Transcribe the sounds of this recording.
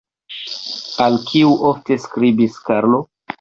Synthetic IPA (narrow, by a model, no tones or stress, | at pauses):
alkʰiuʔofte̞skɾibiskaɾlo